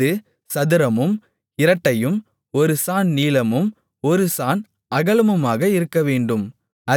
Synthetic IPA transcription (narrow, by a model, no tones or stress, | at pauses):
ɯ | sɐðɯɾɐmɯm | ɪɾɐʈːɐjɯm | ɔɾɯsaːnniːlɐmɯm | ɔɾɯsaːn | ɐɣɐlɯmɯmaːɣɐɪɾɯkːɐʋeːɳɖɯm | ɐ